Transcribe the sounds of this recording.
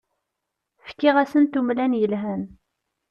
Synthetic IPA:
fkːɪʁæsənt̪umlænjəlɦæn

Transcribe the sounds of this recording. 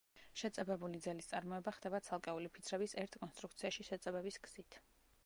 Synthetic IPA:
ʃɛt̪sʼɛbɛbulid̪zɛlist̪sʼaɾmɔɛbaχd̪ɛbat̪sʰalˠkʼɛulipʰit̪sʰɾɛbisɛɾt̪ʰkʼɔnst̪ɾuk̚t̪sʰiaʃiʃɛt̪sʼɛbɛbisɡz̥it̪ʰ

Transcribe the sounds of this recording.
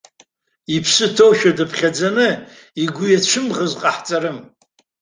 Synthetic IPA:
ipʰsɨtʰowʃᶣadɨpʰχʲad͡zanɨ | iɡʷʊjat͡ɕʷʰɨmʁəzqʼaħt͡sʼaɾɨm

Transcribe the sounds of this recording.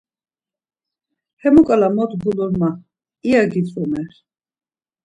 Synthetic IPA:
hɛmukʼalamɔt̪ʰbulɔɾma | iaɡit͡s̪ʼvɔmɛχ

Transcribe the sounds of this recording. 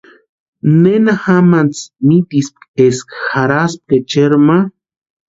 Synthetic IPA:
nenaxamant͡smit̪isp̚keskxaɾasp̚ket͡ʃeɾma

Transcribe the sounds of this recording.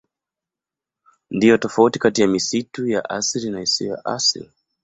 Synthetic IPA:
ndijɔtɔfautikatijamisituja̰ʔasiɾinahisiɔja̰ʔasḭli

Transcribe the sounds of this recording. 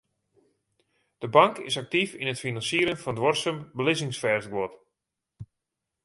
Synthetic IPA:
d̥əbaŋkɪ̰sak̚tifinətfinɑnsiəɾənfɔndʋɔrsəmbəlɪsɪŋsfɛrsɡʋɔt

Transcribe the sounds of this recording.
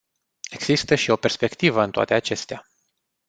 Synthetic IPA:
e̞ɡz̥ist̪əʃio̞pe̞rspe̞kt̪ivəɨnt̪oa̰t̪e̞at͡ʃe̞st̪ea

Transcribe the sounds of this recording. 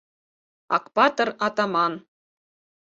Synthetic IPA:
ɑ̰kpɑt̪ɤrɑt̪ɑmɑn

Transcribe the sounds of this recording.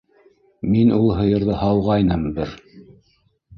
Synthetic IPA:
minulˠɦɤ̆jɤ̆ɾðɤhɑlˠʁɑjnɤmbɘɾ

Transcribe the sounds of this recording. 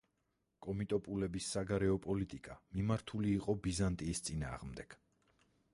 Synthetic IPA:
kʼɔmit̪ʼɔpʼulɛbisːaɡaɾɛɔpʼɔlit̪ʼikʼamimaɾt̪ʰuliːqʼɔbizant̪ʼiːst̪sʼina̰ːʁmd̪ɛɡ̥

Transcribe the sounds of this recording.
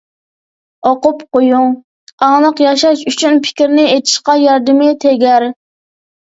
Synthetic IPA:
oqʊpqojuŋ | ɑŋlˠəqjɑʃɑʃyt͡ʃʰynpʰɪ̥kʲɾnɪet̪ʰɪ̥ʃqɑjɑɾd̪ɨmɪt̪ʰeɡʲɛɾ

